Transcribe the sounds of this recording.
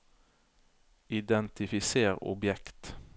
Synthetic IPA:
ɪd̪ɛnt̪ɪfɪseːʁʊ̰bjɛkt̪

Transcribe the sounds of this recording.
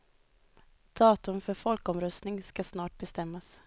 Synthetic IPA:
d̪̥ɑːt̪ɵmfœɾfɔlkɔmɾœst̪nɪŋskasnɑːʈ̚bɛst̪ɛmːas

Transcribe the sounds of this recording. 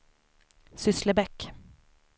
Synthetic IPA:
sʏsləbɛkː

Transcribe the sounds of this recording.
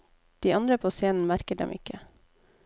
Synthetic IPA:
d̪̥iːʔɑnd̪ɾəpʰoːseːnn̩mæɾkəɖɛ̰mɪ̰kə

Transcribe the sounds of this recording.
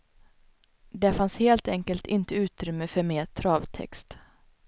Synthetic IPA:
d̪ɛfansheːlt̪ɛŋkəlt̪ɪnt̪əʉ̟ːt̪ɾʏmːəfœɾmeːt̪ʰɾɑːvt̪ʰɛ̰kst̪

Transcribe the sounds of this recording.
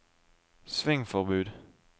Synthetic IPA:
sʋɪŋfɔʁbʉːd̪

